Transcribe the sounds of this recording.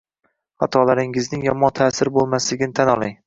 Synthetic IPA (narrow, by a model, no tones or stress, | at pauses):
ha̰t̪ʰɒlˠaɾɪŋɪznɪŋjɒmɒnt̪ʰaːsɪɾbolˠmaslɪɡʲɪnɪt̪ʰanɒlˠaŋ